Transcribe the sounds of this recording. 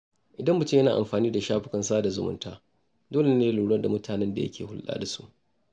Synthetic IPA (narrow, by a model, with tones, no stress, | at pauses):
ʔɪ˨dɐ˦mːʊ˨te˦jɐ˦naː˨ʔa̰˨mɸaː˨niː˦da˨ʃaː˦ɸɪ˦kɐ˨nsaː˦da˨zʊ̰˦˨mʊ̰˦ntaː˦ | doː˦le˨neː˦luː˨ɽɐ˦rda˨mʊ˦tʰaː˨nɛ˦nda̰˨jɐ̰˦kʲʰeː˨hʊ˦lɗa̰ː˦da˨su̥̰˦ʔ